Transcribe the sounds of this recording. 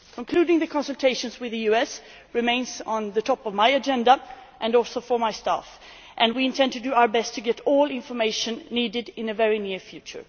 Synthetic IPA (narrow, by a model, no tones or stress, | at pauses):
kʰə̃nkʰl̥ʉɾɪ̃ŋðɨkʰɑ̃nsəl̩ˠtʰeɪʃɨ̃nzwɨðɨjʉɛs | ɹɨmẽɪ̃nz̃n̩ðɨtʰɔpʌvmaɪɨd͡ʒɛ̃ndəʔɨ̃nɔlˠsoʊfə˞maɪstæ̰f | ʔɨ̃nwiɨ̃ntʰɛ̃ndtɨdɨaʊə˞bɛstʰɨɡɛɾɔlˠɪ̃ɱfə˞meɪʃɨ̃nːidɨdɪ̃nɨvɛɹinɪɹfjʉt͡ʃə̰˞